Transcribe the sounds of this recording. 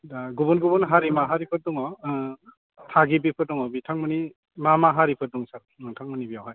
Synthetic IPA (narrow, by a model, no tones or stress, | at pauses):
ɡubunɡubunɦaɾimaɦaɾipʰɯt̚duŋɔ | tʰaɡibipʰɯɾ̚duŋɔbitʰaŋmɯni | mamaɦaɾipʰɯɾ̚duŋsaɾ | ɯŋtʰaŋmɯnibijawɦaj